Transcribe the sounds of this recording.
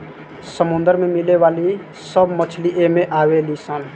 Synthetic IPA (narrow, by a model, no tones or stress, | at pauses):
səmũnd̪əɾmemileʋaːli | səbmət͡ʃʰliʔemeʔawelisən